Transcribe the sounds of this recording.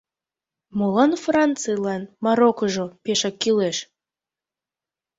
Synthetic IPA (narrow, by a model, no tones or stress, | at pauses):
molɑnfrɑnt͡sɨjlɑnmɑɾokoʒopeʃɑkːileʃ